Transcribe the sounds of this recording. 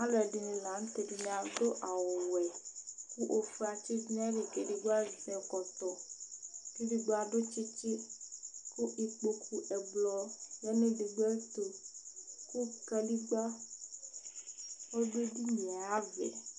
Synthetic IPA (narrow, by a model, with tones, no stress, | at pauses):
a˦lɛ˨ɖi˨nĩ˨lã˨˦n̩˦t̪e˨di˨ɲ̃˨a˨do˦ʔa˨wo˨wɛ˨ku˦ʔo˨fi˨a˨t͡ʃi˦d͡ʒn˦ɛ˦ɖi˨ke˨ɖi˨ɡo˦a˦zɛ˨kɔ˨t̪ɔ˨ | ki˦ɖi˨ɡ͡bo˦a˨ɖo˦t͡ʃi˦t͡ʃi˦ | ku˦ʔi˨k͡po˨kʰu˦ʔɛ˨ɡ͡blɔ˨jɛ˦nẽ˦ɖi˨ɡ͡bɛ˦t̪o˨ | ku˦kɛ˨li˦ɡ͡ba˦ | wo˦ɖe˦ɖi˦ɲĩ˨a˦vɛ̰˨